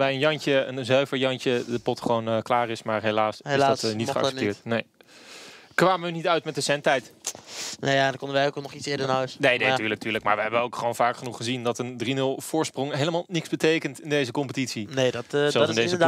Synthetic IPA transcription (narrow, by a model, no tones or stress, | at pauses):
bɛjənjɑnt͡ʃəənzœɥvəɹjɑnt͡ʃədəpɔtχəʋonəklaːrɪsmaːɹɦejlaːsɪzdɑtnitχəɑ̰sɛptɪːɹtnej | kʋaːməynitœɥtmɛt̚dəsɛntɛjt | nejadkɔndəʋɛjowknɔχitsɪːdənœsneːjdetyːɹlək̚tyːɹləkma̰ːɹʋəɦɛbəəowkχəʋownv̥aːkχənuχəzindɑtəndrinɵlˠv̥ʊːɹsprɔŋɦejləmaːlˠnɪkzbətejkəntɪndejzəkɔmpətitsinedtsɛlsɪndejzə